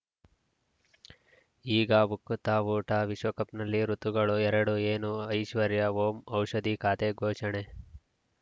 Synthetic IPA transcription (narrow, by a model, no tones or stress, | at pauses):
iːɡɐʋukːut̪aːʋuːʈaʋiʂʋɐkɐpnɐlːiɾut̪uɡɐɭuɛɾɐɽueːnuɐjʃʋɐɾjɐɦoːmɐwʂɐd̪ikaːt̪eɡʱoːʃɐɳe